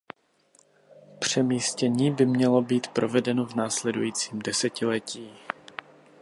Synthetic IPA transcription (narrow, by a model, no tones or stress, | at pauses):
pr̝̥ɛmiːscɛɲiːbɪmɲɛlo̞biːt̪pɾo̞vɛdɛnovnaːslɛdṵjiːt͡siːmdɛsɛcɪlɛciː